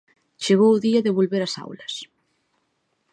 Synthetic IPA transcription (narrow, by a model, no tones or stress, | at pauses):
t͡ʃeɣ̞owʊðiɐðɪβ̞olβeɾɐsa̰wlɐs